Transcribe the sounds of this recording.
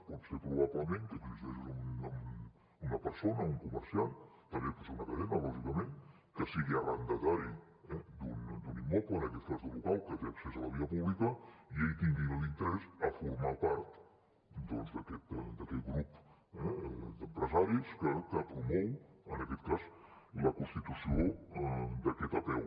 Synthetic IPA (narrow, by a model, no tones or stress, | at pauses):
pɔt̪sepɾuβaβləmeŋk̪ət̪uizt̪eʃzunəm | unəpəɾsonəuŋkuməɾsiant̪əmbepɔtseunəkəðɛməβaʒikəmen | kəsiɣiəβand̪ət̪aɾi | ɛd̪und̪unimːɔplənəkɛt̪̚kazðəlukalˠkət̪eəksezələβiəpuβlikəiejt̪iŋɡinlint̪əɾɛzəfuɾmapaɾt̪ | d̪onzd̪əkɛt̪d̪əkɛt̪̚ɡɾup | ɛd̪əmpɾəzaɾiskəkəpɾumɔwənəkɛt̪kazləkunst̪it̪usio | d̪əkɛt̪əpɛw